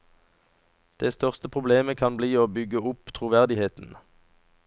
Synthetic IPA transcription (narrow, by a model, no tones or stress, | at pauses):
d̪̥ɛst̪œʁst̪əpʰʁʊbleːməkʰɑnbliːoːbʏɡəʊpt̪ʰʁuːʋæʁd̪ɪheːt̪n̩